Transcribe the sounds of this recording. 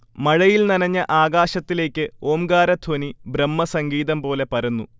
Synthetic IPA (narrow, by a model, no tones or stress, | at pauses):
mɐɻɐjilnɐnɐɲːɐʔaːɡaːɕɐt̪ːile̞ːkʲːɨoːmɡaːɾɐt̪ʰonibɾɐmːɐsɐŋɡiːðɐmpo̞ːle̞pɐɾunːu